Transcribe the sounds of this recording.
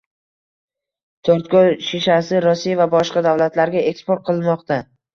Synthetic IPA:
t̪ʰoɾt̪kʲolʃeʃasɪɾɒsijavabɒʃqɑd̪avlat̪laɾɡʲaekspoɾt̪̚qʰɨlˠmɒqt̪a

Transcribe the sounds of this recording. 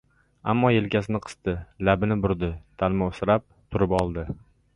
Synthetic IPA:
a̰mːɒje̞lkʲasɪnɪqʰɨ̥st̪ɪlabɪnɪbʊɾd̪ɪt̪ʰalˠmaosɪɾap̚t̪ʰʊɾɪpɒlˠd̪ɪ

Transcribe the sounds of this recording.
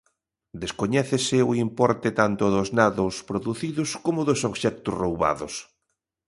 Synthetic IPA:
d̪eskoɲɛθesɪʊimpɔɾt̪et̪ant̪ʊðʊznaðʊspɾoðuθiðʊskomʊðosoβʃɛk̚t̪ʊsrowβa̰ðʊ̰s

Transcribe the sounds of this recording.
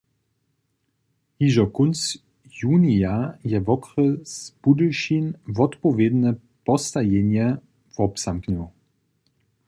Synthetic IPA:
hiʒɔkʊns | juːniajɛvɔkʁəsb̥udəʃinvɔt̪pɔvjed̪nɛ | pɔst̪ajeɲjɛ | vɔpsamkɲɔw

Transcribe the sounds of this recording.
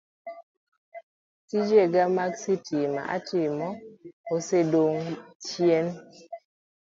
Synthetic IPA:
tid͡ʒeɡamaksitima̰ʔa̰tɪmɔosedoŋt͡ʃjen

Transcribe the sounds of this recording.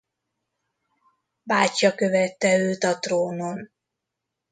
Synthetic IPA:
baːcɒkø̞vɛt̪ːɛøːt̪ɒt̪roːnon

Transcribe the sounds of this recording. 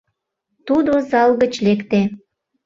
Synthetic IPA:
t̪ud̪ozɑlɣət͡ɕlekt̪e

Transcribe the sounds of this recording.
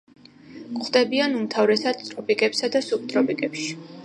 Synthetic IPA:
kʼχd̪ɛbianumt̪ʰavɾɛsad̪t̪ʼɾɔpikʼɛpsad̪asup̚t̪ʼɾɔpikʼɛpʃi̥

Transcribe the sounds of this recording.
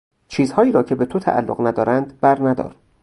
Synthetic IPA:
t͡ʃʰiːzhɒːiːɾɒːcʰe̞be̞t̪ʰot̪ʰæ̰ʔæ̰lːoɣnæd̪ɒːɾʔænd̪bæɾnæd̪ɒ̰ːɾ

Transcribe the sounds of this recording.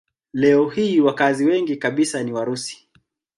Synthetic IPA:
lɛɔhiːwakaziwɛŋɡikaɓisaniwaɾusi̥

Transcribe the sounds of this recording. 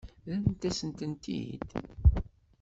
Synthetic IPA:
ðænt̪æsənt̪ənt̪ḭd̪̥

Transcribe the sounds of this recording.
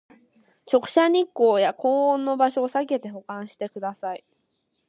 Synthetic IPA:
t͡ɕo̞kɯ̟̥ɕaɲ̟ikːo̞ːjako̞ːõnːo̞baɕo̞ːsake̞t̪e̞ɦo̞kãɰ̃ɕi̥t̪e̞kɯ̟d̪asai

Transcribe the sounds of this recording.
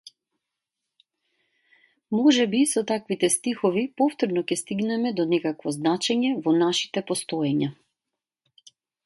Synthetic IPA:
mɔʒɛbisɔt̪akvit̪ɛst̪ixɔvipɔft̪ɔɾnɔkʲɛst̪iɡnɛmɛd̪ɔnɛkakvɔznat͡ʃɛɲɛvɔnaʃi̥t̪ɛpɔst̪ɔjɛɲa

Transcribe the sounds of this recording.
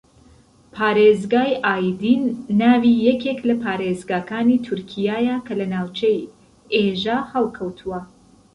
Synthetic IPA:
pʰaːɾezɡaːjʔaːjd̪iːnːaːvijɛkʰeklɐpʰaːɾezɡaːkaːniːt̪ʰuɾkʰijaːjakʰɐlɐnaːwt͡ʃʰej | eʒaːhɐlˠkʰɐwt̪ʰuwɐ

